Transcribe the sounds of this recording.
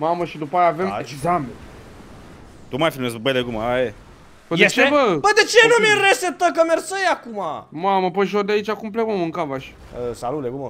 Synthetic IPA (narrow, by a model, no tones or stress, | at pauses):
maməʃid̪upaajaːve̞meɡzamen | t̪umajfilmesbəjd̪eɡumaae | bəet͡ʃevəbəd̪et͡ʃenumʲinresep̚t̪ək̬əmersəjakumamaməpəʃ̬od̪eait͡ʃakumplemaməɨŋkavaʃ | əsalut̪leɡumə